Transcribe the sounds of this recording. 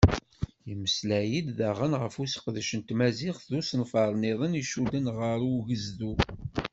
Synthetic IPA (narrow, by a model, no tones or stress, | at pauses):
iməslæjid̪ðæʁənʁəfusə̥qðʃənt̪mæzɪχθðusənfɑɾˤniðˤəniʃud̪ənʁəɾˤuʝəzðu